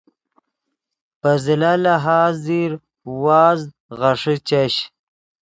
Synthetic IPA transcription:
pɐzilalaɦaːzd̪iɾ | waːz | ʁaʂit͡ɕaɕ

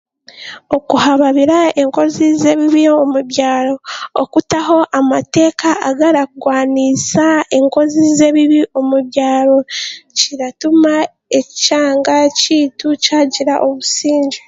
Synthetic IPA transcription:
o̞kuhaβaβiɾae̞ŋko̞zize̞βiβiomuβjaːɾo̞ːkutaho̞ʔamate̞ːkaaɡaɾakuɡwaːnisae̞ŋko̞zize̞βiβiʔo̞muβjaːɾo̞ciɾatuma | e̞caːŋɡaciːtucaːɟiɾaʔo̞βusiːɲɟi

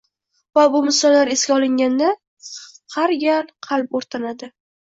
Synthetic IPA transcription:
vabʊmɪsɒlːaɾeskʲaɒlˠɪŋɡʲand̪a | haɾjʲalqʰɑlˠp̚oɾt̪ʰanad̪ɪ

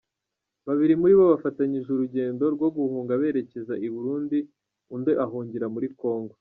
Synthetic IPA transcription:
βaβiɾimuɾiβo̞βafataɲiʒuɾuɟe̞ːndo̞ɾɡwo̞ɡuhuːŋɡaβe̞ːɾe̞ce̞zaiβuɾuːndi | undeʔaɦuːɲɟiɾamuɾiko̞ːŋɡo

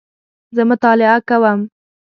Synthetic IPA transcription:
zəmʊt̪ɑlɪakawəm

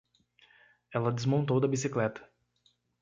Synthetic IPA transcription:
ɛlɐd̪ezmõnt̪owd̪ɐbisiklɛt̪ɐ̥

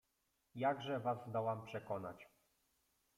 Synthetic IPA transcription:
jaɡʐɛvazzd̪ɔwampʂɛkɔna̰t͡ɕ

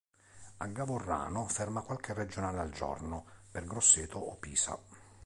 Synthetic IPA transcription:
aɡːavʊrːa̰ːnʊfɛrmakwalkɪred͡ʒonaːlald͡ʒɔ̰rnʊperɡɾosːeːt̪ʰʊɔpːiːsa̰

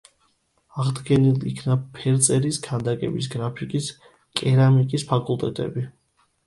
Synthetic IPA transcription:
aʁd̪ɡɛnilˠḭkʰnapʰɛɾt̪sʼɛɾisɡʰand̪akʼɛ̰bis̬ɡɾapʰikʼis | kʼɛɾamikʼispʰakʼulˠt̪ʼɛ̰t̪ʼɛ̰bi

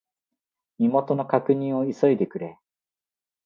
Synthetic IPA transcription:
mʲimo̞t̪o̞no̞kakɯ̟ɲ̟ĩɰ̃o̞iso̞id̪e̞kɯ̟ɾe

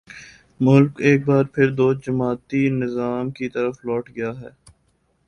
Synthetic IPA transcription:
mʊlkeːk̚baːɾpʰɪɾd̪oːd͡ʒɐmaːt̪inɪzaːmkit̪ɐɾəflɔːʈɡɐjaɦɛː

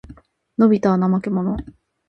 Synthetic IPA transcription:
no̞bʲit̪anamakemo̞no̞

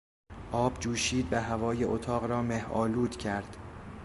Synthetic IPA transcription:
ʔɒːbd͡ʒuːʃiːd̪væɦævɒːjeʔot̪ʰɒːɣɾɒːmehʔɒːluːd̪cʰæɾd̪̥

